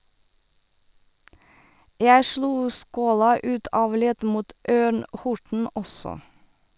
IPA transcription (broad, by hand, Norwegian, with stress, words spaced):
ˈjæɪ ˈʃluː ˈskoːlɑ ˈʉːt ˈɑːʋ ˈlɛd ˈmuːt ˈøːɳ ˈhʊʈɳ̩ ˈɔsɔ